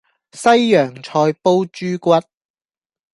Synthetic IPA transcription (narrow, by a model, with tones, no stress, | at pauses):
sɐ˥jːœː˨˩ŋt͡ʃʰɔː˧jpo˥wt͡ʃyː˥kʷɐ˥t̚